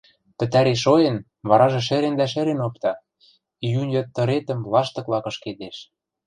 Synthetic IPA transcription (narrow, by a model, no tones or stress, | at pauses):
pɘ̆t̪æɾeʃojɤ̆n | βɑɾɑʒĕʃɘ̆ɾend̪æʃɘ̆ɾenop̚t̪ɑ | ijunjø̆t̪ːɤ̆ɾet̪ə̆mvlɑʃt̪ɤ̆klɑkɤ̆ʃked̪eʃ